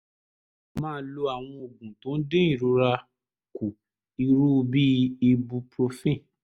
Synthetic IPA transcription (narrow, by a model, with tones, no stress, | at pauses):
mãː˦˧n̩˦lo˧a˨w̃ɔ̃˧o˨ɡũ˨tõ˨˦n̩˦dẽ˦i˦˨ɾo˨˧ɾa˧ | ku˨ | i˧ɾu˦˧bi˦i˧bu˧pɾo˧fĩ˦˨